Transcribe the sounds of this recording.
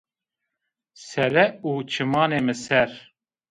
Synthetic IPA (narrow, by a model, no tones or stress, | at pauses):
sɛlɛuːt͡ʃʰɨmɑːneːmɨsɛɾ